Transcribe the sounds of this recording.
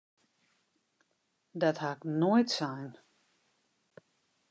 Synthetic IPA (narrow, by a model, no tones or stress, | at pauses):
dɔthaknojtsɛjn